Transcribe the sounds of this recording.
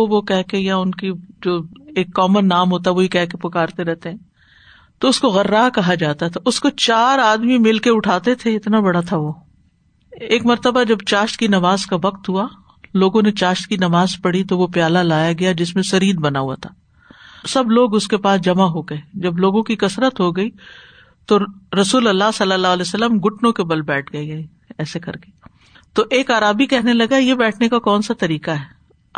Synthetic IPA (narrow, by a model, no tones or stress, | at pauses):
oʋokɛɦkejaʊnkid͡ʒoːeːkːɔːmənːaːmɦoːt̪̬aɛʋoikɛɦkepʊkaːɾt̪eɾɛɦt̪eɦɛ̃ː | t̪oʊskoɣɐɾːaːkɐɦad͡ʒaːt̪at̪ʰaʔʊskot͡ʃaːɾaːd̪mimɪlkeʊʈʰaːt̪et̪ʰeɪt̪nabɐɽat̪ʰaʋoː | eːkmɐɾt̪əbad͡ʒɐbt͡ʃaːʃt̪kinɐʋaːzkaʋɐqt̪ɦua | loːɡõnet͡ʃaːʃt̪kinɐʋaːzpɐɽit̪oʋopjaːlalaːjaɡɐjad͡ʒɪsmẽsɐɾiːd̪bɐnaɦua̰t̪ʰaː | sɐbloːɡʊskepaːsd͡ʒɐmaɦoɡɐed͡ʒɐbloːɡõkikɐsɾət̪ɦoɡɐi | t̪oɾɐsuːlɐlːasɐlːəlːaːɦlɛːsɐlːəmɡʊʈnõkebɐlbɛːʈʰɡɐeɡɐe | ɛːsekɐ̰ɾke̥ː | t̪oʔeːkaːɾaːbikɛɦnelɐɡaɛjebɛːʈʰnekakɔːnsat̪ɐɾiːkaɦɛː